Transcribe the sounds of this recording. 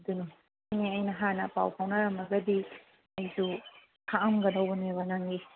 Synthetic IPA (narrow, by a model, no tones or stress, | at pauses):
dunu | jniɐjnɐɦanɐpa̰wpʰawnɐɾɐmɐɡɐdi | ɐjsu | kʰaʔɐmɡɐdɐwbɐneβɐnaŋɡi